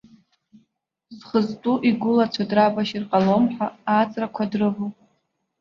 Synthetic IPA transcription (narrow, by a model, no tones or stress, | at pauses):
zχəztʼuʔiɡʷʊlat͡ɕʷʰadrabaʃirqʼalomħʷaːt͡sʼrakʷʰadrɨvu